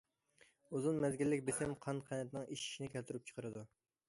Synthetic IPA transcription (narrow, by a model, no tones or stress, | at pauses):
uzunmɛzɡʲilːɪk̚ʲbesɪmqʰɑnqʰɛnɛt̪nɪŋiʃi̥ʃinɪkʲælt̪yɾyp̚t͡ʃʰə̥qəɾɨd̪u